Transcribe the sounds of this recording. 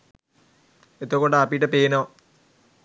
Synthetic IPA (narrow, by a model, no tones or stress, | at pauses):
et̪ːokːoɳɖapːiʈːɐpeːnoː